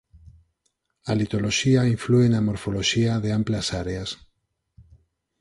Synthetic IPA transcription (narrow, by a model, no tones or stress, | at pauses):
alit̪o̞loʃiaiɱfluenamo̞ɾfoloʃiaðeamplasaɾeas